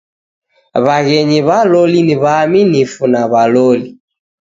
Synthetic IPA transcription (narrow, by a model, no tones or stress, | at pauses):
βaɣɛɲiβalɔliniβaminifunaβalɔli